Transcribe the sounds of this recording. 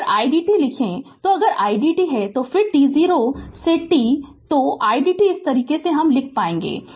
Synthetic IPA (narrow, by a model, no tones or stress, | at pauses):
ɾaːiɖiːʈilɪkʰẽt̪oɐɡəɾaːiɖiːʈiɦɛt̪ofɪɾʈiziːɾoseʈit̪oʔaːiɖiːʈiɪst̪ɐɾiːkeseɦɐmlɪkʰpaːẽːŋɡḛː